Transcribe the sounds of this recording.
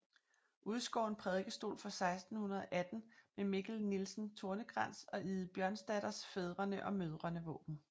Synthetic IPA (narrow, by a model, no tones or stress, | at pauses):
ʔuð̞ˠsɡ̥ɒ̰ːe̝npʰʁɛð̞ˠɡ̥əsd̥o̝̰ːlfɒ̽sɑ̈ɪsd̥n̩hunɐðˠɒʔæd̥n̩memiɡ̥l̩nilsn̩t͡sʰo̝ɐnəɡ̥ʁɑn̰sɒ̽ʔið̩ˠb̥jɶɐnsd̥æɾ̥ɐsfeð̞ˠʁɐnəʔɒ̽møð̞ˠʁɐnəʋɔ̰̽ːb̥n̩